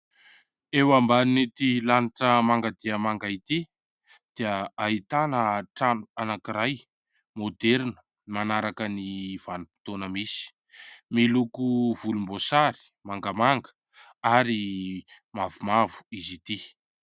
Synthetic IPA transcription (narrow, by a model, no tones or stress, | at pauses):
ewambaninet̪ilaniʈ͡ʂəmaŋɡad̪iəmaŋɡait̪i | d̪̥eəaɦit̪anəʈ͡ʂananakiɾaj | mod̪eɾnə̥ | imanaɾakəniv̥anipi̥t̪onəmisi̥ | milukuvulumbosaɾi̥ | maŋɡəmaŋɡə̥ | aɾi | mavumavu̥izit̪i